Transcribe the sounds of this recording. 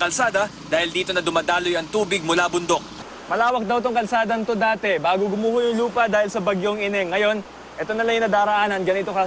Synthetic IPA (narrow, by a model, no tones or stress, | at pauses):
kɐlsaːd̪ɐ | d̪aːhɪld̪iːt̪o̞nɐd̪ʊmad̪aːlojɐŋt̪uːbɪɡ̚mʊlaːbʊnd̪o̞k̚ | mɐlaːwɐk̚d̪ɐwt̪oŋkɐlsaːd̪ɐŋt̪od̪aːt̪ɛbaːɡoɡʊmuːhojʊŋluːpɐd̪aːhɪlsɐbɐɡjoŋɪnɛŋːɐjo̞n | ʔɛt̪o̞nɐlɐŋjʊnɐd̪aːɾɐʔaːnɐnɡɐnɪt̪o̞kɐ